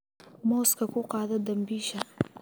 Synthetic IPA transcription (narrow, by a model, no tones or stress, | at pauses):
mɔːskʰɐkʰʊqɑːðɐd̪ɐmbiːʃɐ